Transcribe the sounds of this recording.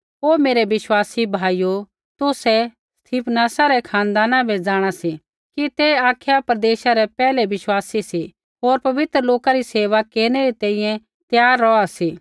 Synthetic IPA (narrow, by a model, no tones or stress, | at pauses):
ɦoːmeːɾɛʋɪʃwaːsibʱaːijo | t̪ʊsɛ | st̪ʰiːpnaːsaɾɛkʰãːnd̪aːnãbʱɛd͡zaːɽ̃asi | kit̪ɛaːkʰjapɾɐd̪eːʃaɾɛpɛːlɛʋɪʃwaːsisi | ɦoːɾpɐʋɪt̪ɾəloːkaɾiseːʋakeːɾñɛɾit̪ɛ̃ːĩːjɛ̃ | t̪jaːɾːɔasiː